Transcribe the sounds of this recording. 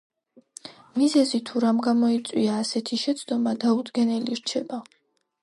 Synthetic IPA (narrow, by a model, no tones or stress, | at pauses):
mizɛzit̪ʰuɾamɡamɔit̪sʼwiaːsɛt̪ʰiʃɛt̪sʰd̪ɔmad̪aud̪ɡɛnɛliɾt͡ʃʰɛba